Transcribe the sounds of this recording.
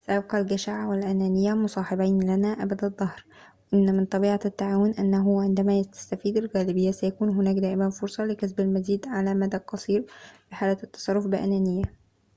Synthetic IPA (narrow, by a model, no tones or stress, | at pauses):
sæʔæb̚qɑlɡæʃaʕwɪlʔænæːnɪjːæmʊsˤɑːħebajnlænæʔæbæd̪ɑd̪ˤːɑhɾ | wʔɪnːmɪnt̪ˤɑbiːʕat̪ːaʕaːwʊnʔænːæɦʊʕend̪æmæːjt̪æ̥st̪æfiːd̪ɪlɣæːlɪbɪjːæsæjækuːnɦʊnæːkd̪æːʔɪmænfoɾsˤɑlɪkæs̬bælmæziːd̪ʕalæmæd̪æqɑsˤiːɾfiħaːlæt̪ːɑ̥sˤɑrˤːofbɪʔæ̰næːnɪjːæ